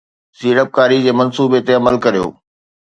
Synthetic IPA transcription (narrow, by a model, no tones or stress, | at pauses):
siːɾəp̚kaːɾid͡ʑeːmɐnsuːbet̪eɐməlkɐɾijo̰ː